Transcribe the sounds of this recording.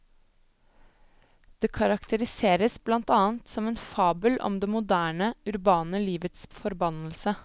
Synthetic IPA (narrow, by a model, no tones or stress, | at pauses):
d̪̥eːkʰɑɾɑkt̪ʰəɾɪseːɾəsblɑnt̪ɑːənt̪sɔmɛːnfɑːbəlʔɔ̰md̪eːmʊd̪æːɳəʉɾbɑːnəliːʋət̪sfɔɾbɑnəlsə